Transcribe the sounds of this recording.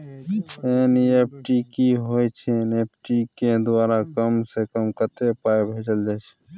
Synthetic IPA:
eːniep̚ʰʈikiɦoːjt͡ʃʰeneːp̚ʰʈiked̪ʊwaːɾakəmsekəmkət̪epaːebʱeːd͡ʒəld͡ʒaːt͡ʃʰ

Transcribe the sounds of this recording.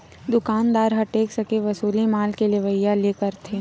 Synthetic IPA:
d̪ʊkaːnd̪aːɾɦɐʈeːksɐkeʋɐsuːlimaːlkeleʋəjːaleːkəɾt̪ʰeː

